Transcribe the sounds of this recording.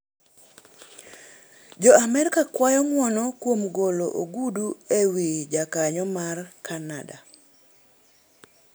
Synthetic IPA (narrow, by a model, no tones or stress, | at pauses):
d͡ʒɔamɛɾkakwajɔŋwɔnɔkwomɡoloʔoɡuduewid͡ʒakaɲɔmarkʰanada̰